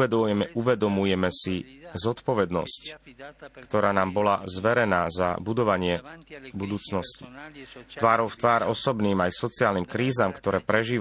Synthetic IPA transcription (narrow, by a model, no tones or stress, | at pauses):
ɛd̪ɛuʋɛd̪ɔmujɛmɛsizɔt̪pɔʋɛd̪nɔ̰sc | kt̪ɔɾaːnaːmbɔlazʋɛɾɛnaːzabud̪ɔʋaɲɪɛbud̪uːt͡snɔsci̥t̪ʋaːɾɔʊft̪ʋaːɾɔsɔbniːmajsɔt͡siaːlniːmkɾiːzaːmkt̪ɔɾɛːpɾɛʒiːʋ